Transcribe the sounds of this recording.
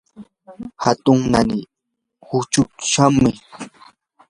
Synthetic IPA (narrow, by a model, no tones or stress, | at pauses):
hat̪ʊŋnanɪ | hʊt͡ʃʊkʃamɪ